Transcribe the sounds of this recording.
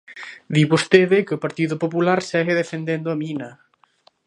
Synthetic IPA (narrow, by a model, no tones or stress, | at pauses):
d̪iβost̪eðɪkɪopaɾt̪iðopopulaɾsɛɣeðefend̪end̪oaminɐ